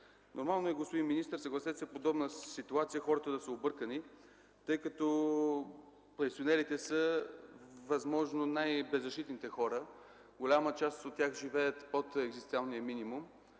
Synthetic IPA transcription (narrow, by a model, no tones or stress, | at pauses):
nʔoɾmalˠnoɛɡospod̪iminist̪əɾsɐɡlˠɐsɛt̪sɛpod̪ɔbnəsit̪uat̪sijəxɔɾət̪əd̪ɐsəobɤɾkəni | t̪ɤjkɐt̪ɔ | pɾɛsionɛɾit̪ɛsə | vɐzmɔʒnonajbɛzːɐʃt̪it̪nit̪ɛxɔɾə | ɡolʲamət͡ʃast̪ot̪ːʲjaxʒivɛjət̪pot̪ɛɡzist̪ʲalˠnijəminimum